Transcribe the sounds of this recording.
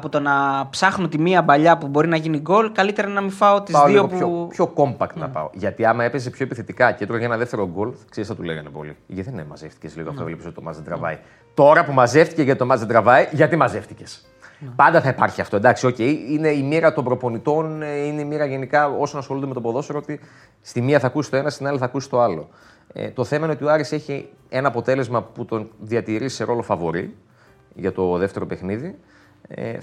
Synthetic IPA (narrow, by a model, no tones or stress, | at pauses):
ɐpot̪o̞nɐpsɐxnot̪imiɐbɐʎɐpubo̞ɾinɐʝiniɡo̞lkɐlit̪e̞ɾɐnɐmifɐo̞t̪izɐoloopopço̞ko̞mbɐk̚t̪nɐ̰pɐ̰o̞̰ʝɐt̪iɐmɐe̞pes̬epço̞epiθe̞t̪ikɐcet̪ɾoʝɐenɐðeft̪e̞ɾo̞ɡo̞lfkseɾisɐt̪uleɣɐnepo̞̰lḭʝeðenemɐ̰ze̞fticezlḭɣoɐft̪ovelipisot̪omɐzed̪ɾɐ̰vɐ̰i | t̪o̞ɾɐpumɐze̞ft̪i̥ceʝɐit̪o̞mɐzed̪ɾɐvɐiʝɐt̪imɐze̞ft̪i̥ce̞s | pɐnd̪ɐθɐipɐɾçiɐft̪oend̪ɐksio̞ce̞jine̞imiɾɐt̪o̞mbɾo̞po̞nit̪o̞nineimiɾɐʝe̞nikɐo̞sonɐsxolund̪eet̪opoðo̞soɾoot̪i | st̪imiɐθɐːkusist̪o̞e̞nɐst̪inɐliθɐkusi̥st̪oɐlo̞̰ | t̪o̞θe̞mɐineot̪ioɐɾise̞çi | e̞nɐːpot̪e̞le̞zmɐput̪o̞nðiɐt̪iɾiseɾo̞lo̞fɐvo̞ɾḭ | ʝɐt̪o̞ðe̞ft̪e̞ɾo̞pe̞xniði | ḛ